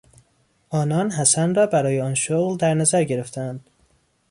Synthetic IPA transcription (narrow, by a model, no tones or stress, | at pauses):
ʔɒːnɒːnɦæsænrɒːbæɾɒːjeɒːnʃoɣld̪æɾnæzæɾɟe̞ɾe̞ft̪ʰæænd̪̥